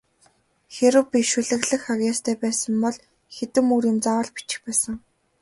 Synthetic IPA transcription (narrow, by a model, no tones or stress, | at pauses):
xeɾɘ̆wpʲiʃuɮɘ̆ɣɮɘ̆xaɣʲaːst̪ʰæːpæːsə̆mpɔɮ | xet̪ɘ̆muɾĭːmt͡sawə̆ɮpi̥t͡ɕɪ̥̆xpæːsə̆ŋ